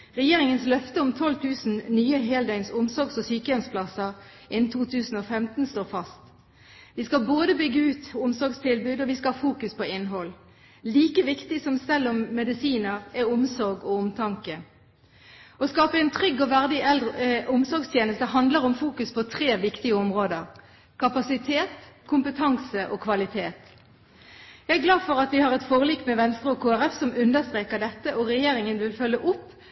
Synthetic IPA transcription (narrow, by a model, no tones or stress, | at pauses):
ʁɛjeːʁɪŋənslœft̪əʊmt̪ʰɔlt̪ʰʉːsn̩nyːəɦeːld̪æɪnsʊmsɔʁɡsɔsyːkəjɛnspʰlɑsəʁ | ʔɪnn̩t̪ʰuːt̪ʰʉːsn̩oːfɛmt̪n̩st̪oːfɑst̪ | ʋɪːskɑboːd̪əbʏɡəʉːt̪ʊmsɔʁɡst̪ʰɪlbʉːd̪ɔʋɪskɑɑfuːkʉspʰoɪnːɦɔlː | liːkəʋɪkt̪ɪsɔmsɛlːɔmːɛd̪ɪsiːnəʁɛʊmsɔʁɡɔʊmt̪ʰɑŋkə | ɔskɑːpəɛnt̪ʰʁʏɡːɔʋæʁd̪ɪɛld̪ʁʔʊmsɔʁɡst̪ʰjeːnəst̪əɦɑnd̪ləʁɔmfuːkʉspʰɔt̪ʰʁeːʋɪkt̪ɪəɔmʁoːd̪əʁ | kʰɑpɑsɪt̪ʰeːt̪kʰʊmpət̪ʰɑŋsəʔoːkʰʋɑlɪt̪ʰeːt̪ | jæɛɡlɑːd̪fɔʁɑt̪ʋɪhɑʁɛt̪foːʁəliːkmɛʋɛnst̪ʁəoːkʰoːæʁɛfsɔmʉnd̪əʁst̪ʁeːkəd̪ɛt̪ːəʔɔʁɛjeːɾɪŋənʋɪlfœlːəʔʊpː